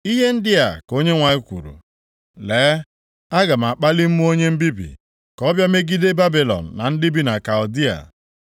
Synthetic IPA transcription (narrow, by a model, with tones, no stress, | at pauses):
i˦ɦe˦n̩˦dɪ˦a˨ko˦ɲe˦ŋʷa˨i˦kʷṵ˨ɾṵ˨ | lɛː˨˦ | a˦ɡa˨m̩˨a˨k͡pa˦lɪ˦m̩˦mu˦o˦ɲe˦m̩˦bi˦bḭ˨ | kɔ˦bja˦me˦ɡi˦de˦ba˦bi˨lɔ̰˨n̩˨na˨n̩˦dɪ˦bi˦na˨ka˨ʊ˨di˦a̰˨